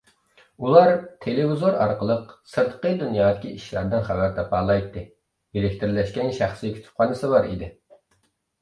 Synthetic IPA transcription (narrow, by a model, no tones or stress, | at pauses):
ulˠɑɾt̪ʰelevizoɾɑ̰ɾqəlˠəqsɨɾt̪əqəd̪unjɑːd̪ɪkʲiiʃlæɾd̪ɪnχæwæɾt̪ʰɛpɑːlˠɑjt̪ːɨ | elɪkʲt̪ɪɾlɛʃkʲɛnʃæχsikʰʲy̥t̪ʰy̥p̚qʰɑnɨsɨbɑɾḭd̪ɪ